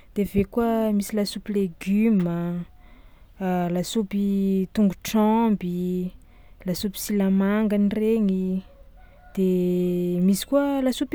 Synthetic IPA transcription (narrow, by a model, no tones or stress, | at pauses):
d̪̥evekuəmisilasupileɡymə | lasupit̪uŋɡuʈ͡ʂɔmbi | lasupi̥silamaŋɡanireŋi | d̪̥e | misi̥kuəlasup